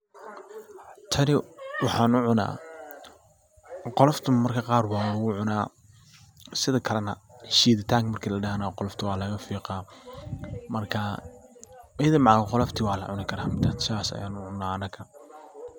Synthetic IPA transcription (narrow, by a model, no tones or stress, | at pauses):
t̪ʰɐnɪwɑħɑːnʊʕʊna̰ː | qɔlɐft̪ʰʊmɐrkʰɐqɑːrbaːʊɣʊʕʊnaː | sɪðɐkʰɐlɐnɐ̰ʃiːðɪt̪ʰaːŋkʰmɐrkʰiːlɐɖɐɦɐnɐqɔlɔft̪ʰʊwɑːlɐɣɐfiːqɑː | mɐrkʰɐ | ðɐmɑʕaːɣqɔlɐft̪ʰiːwɑːlɐ̰ʕʊnɪkʰɐɾaːmɪd̪ʰaːt̪sɪaːsɐ̰ja̰ːnʊʕʊnːaːɐnɐkʰɐ